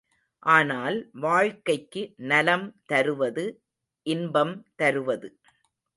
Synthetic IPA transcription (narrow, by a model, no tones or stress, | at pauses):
ʔaːnaːlʋaːɻkɐɪkːɯnɐlɐmt̪ɐɾɯʋɐðɯ | ʔɪnbɐmt̪ɐɾɯʋɐðɯ